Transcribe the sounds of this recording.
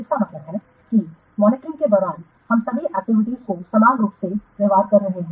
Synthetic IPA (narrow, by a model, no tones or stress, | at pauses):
ɪskamɐt̪ləbɦɛ | ki | mɔːnɪkɾɪ̃ŋɡked̪ɔːɾaːl | hɐmsɐbʱiʔɐk̚t̪ɪʋɪʈ̪iskosɐmaːnɾuːpseɾəʋaːd̪̚kɐɾːɐɦeɦɛ̃ː